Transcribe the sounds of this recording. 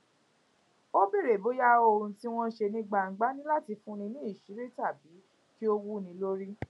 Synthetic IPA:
o˦bi˦˨ɾe˨bo˨˦ja˦o˧˨ũ˧ti˦w̃ɔ̃˧ʃe˧nĩ˦ɡ͡ba˧˨ŋ̩˨ɡ͡ba˦nĩ˦la˦ti˧fũ˦ñĩ˧nĩ˦i˦˨ʃi˨˦ɾi˦ta˦˨bi˨˦ | ki˦o˦˧wu˦nĩ˧˦lo˦ɾi˦

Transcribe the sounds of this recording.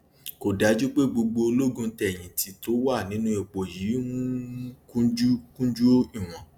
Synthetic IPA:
ko˨da˨˦d͡ʒu˦k͡pe˦ɡ͡bo˧ɡ͡bo˧o˧lo˦ɡũ˧tɛ˨j̃ĩ˨tʰi˨˧˦to˨˦wa˦˨nĩ˨˦nũ˦e˨˧k͡po˨ji˨˦ũ˦kũ˦d͡ʒu˦kũ˦d͡ʒu˦i˦˨w̃ɔ̃˨

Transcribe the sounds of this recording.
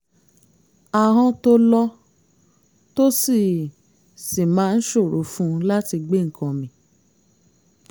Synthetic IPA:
a˨ɦɔ̃˧to˦lɔ˦ | to˦si˦˨ | si˨mãː˨˦n̩˦ʃo˦˨ɾo̰˨˦fũ˦la˦ti˧ɡ͡be˦˨ŋ̩˨kʰɔ̃˧mĩ˧˦

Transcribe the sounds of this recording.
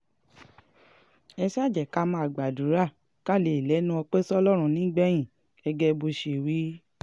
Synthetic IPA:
ɛ˧sa˦˨d͡ʒɛ˨ka˨˦mã˧˦a˨ɡ͡ba˨du˨˦ɾa˦˨ | ka˦˨le˨lɛ˨˦nũ˦ɔ˧k͡pe˦sɔ˦lɔ˦ɾ̃ũ˧˨nĩ˨˦ɡ͡bɛ˦j̃ĩ˨ | ɛ˧ɡɛ˦˧bo˧ʃe˨wi˨˦

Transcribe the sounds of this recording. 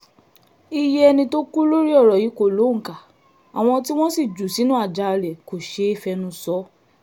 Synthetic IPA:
i˧jɛ˦ɛ˧nĩ˧to˦ku˦lo˦ɾi˦ɔ˦˨ɾɔ˨ji˨˦ko˦˨lo˨˦ŋ̩˨ka˨ | a˨w̃ɔ̃˧ti˦w̃ɔ̃˦si˦˨d͡ʒu˨si˨˦nũ˦a˦˨d͡ʒa˧ɾɛ˨ko˨ʃe˧˦i˦˨fɛ˧nũ˧sɔ˨˦

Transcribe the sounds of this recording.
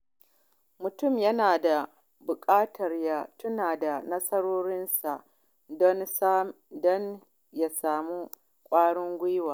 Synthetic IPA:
mʊ˨tʊ˦˨mjɐ˦naː˨da˨ | bʊ˨kʼaː˦tʰɐ˨rja˨tʊ˦naː˨da˨nɐ˦sɐ˦ɽoː˦ɽɪ˦nsa˨ʔ | dɔ˦n˦ | dɔ˦n | ja˨saː˨mu˦ | kʷʼaː˦ɽɪ˦ŋɡʷɪ˦jwaː˨

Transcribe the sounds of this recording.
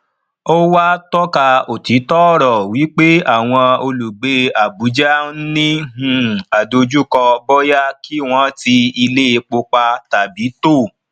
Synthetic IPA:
o˦wa˦tɔ˦ka˧o˨ti˨˦tɔ˦ɾɔ˨wi˨˦k͡pe˦a˦˨w̃ɔ̃˧o˧lu˨ɡ͡be˨˦a˨bu˨˦d͡ʒa˦n̩˦nĩ˦ɦũ˦a˨do˧d͡ʒu˦kɔ˧bɔ˦ja˦ki˦w̃ɔ̃˦ti˧i˧le˦e˧k͡po˧k͡pa˧ta˨bi˨˦to˦˨

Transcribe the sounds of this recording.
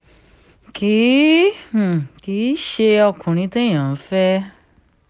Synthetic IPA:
ki˨˦˨ | ki˨˦ʃe˧ɔ˧kʰũ˨ɾ̃ĩ˧˦te˦j̃ã˨˦fɛ˦

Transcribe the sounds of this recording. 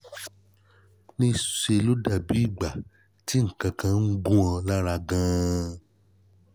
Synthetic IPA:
nĩ˦ʃe˧lo˦da˦˨bi˨˦i˦˨ɡ͡ba˨ | ti˨˦ŋ̩˨kã˧kã˧n̩˦ɡũ˦ã˧la˦ɾa˧ɡã˧

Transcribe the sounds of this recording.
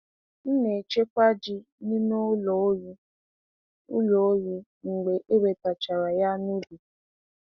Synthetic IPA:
n̩˦ne˨t͡ʃe˦kʷa˦d͡ʒi˦ | ni˦no˦lo˨˦ju˦ | ʊ̰˦lo˨o˦ji˨ | ŋ͡m̩˨ɡ͡be˨ʔe˦be˨ta˨t͡ʃa˨ɾa˨ja˦nu˦li˨

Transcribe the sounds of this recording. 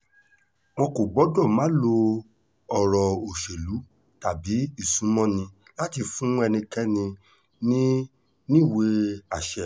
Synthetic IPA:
mɔ̃˧ko˨ɡ͡bɔ˨˦dɔ̃˦˨mã˨˦lo˧ | ɔ˨ɾɔ˨o˨ʃe˨lu˨˦ | ta˨bi˨˦i˦˨sũ˨˦mɔ̃˦nĩ˧ | la˦ti˧fũ˦ɛ˧nĩ˧kɛ˦nĩ˧ | nĩ˦ | nĩ˦˨we˧a˨ʃɛ˨

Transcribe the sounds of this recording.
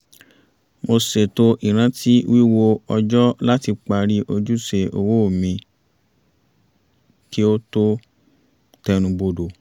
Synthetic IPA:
mo˧se˨to˧ʔi˨ɾ̃ã˧˦tʰi˦wi˦wo˧ɔ˧d͡ʒɔ˦la˦ti˧k͡pa˧ɾi˦ʔo˧d͡ʒu˦se˧˨ʔo̰˨wo˦o˦˨mĩ˧ | ki˦o˦to˦ | tɛ˧ñũ˧bo˧do˨

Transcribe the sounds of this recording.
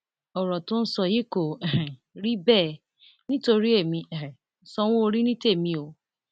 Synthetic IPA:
ɔ˨ɾɔ˨tʊ̃˦n̩˦sɔ˧je˦ko˨ | ɾi˦bɛː˦˨ | nĩ˦to˧ɾi˦e˦˨mĩ˧˨˦sɔ˧w̃ɔ̃˦o˧ɾi˦nĩ˦te˦˨mĩ˧o˨

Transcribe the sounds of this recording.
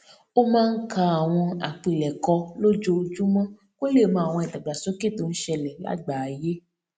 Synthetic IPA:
o˦mãː˦˧n̩˦kʰa˧a˨w̃ɔ̃˧a̰˨k͡pi˨lɛ˨kɔ˧lo˦d͡ʒo˧d͡ʒu˦mɔ̃˦ | ko˦le˦˨mã˧˦˨w̃ɔ̃˧ɛ˨ta˨ɡ͡ba˨so˨˦ke˦˨to˨˦n̩˦ʃɛ˧lɛ˨la̰˨˦ɡ͡ba˨je˦

